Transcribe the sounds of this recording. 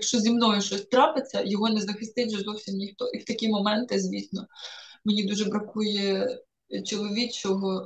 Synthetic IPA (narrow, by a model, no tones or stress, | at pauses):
jɐkʃt͡ʃɔzʲimnɔjʊʃt͡ʃɔsʲt̪ɾɑpɪt͡sʲːɐjɔɦɔnɛzɐxɪst̪ɪtʲʒɛzɔwsʲimnʲixt̪ɔʔiwt̪ɐkʲimɔmɛnt̪ɪzʲʋʲisnɔmenʲid̪uʒɛbɾɐkujɛ | t͡ʃɔlˠɔʋʲit͡ʃɔɦɔ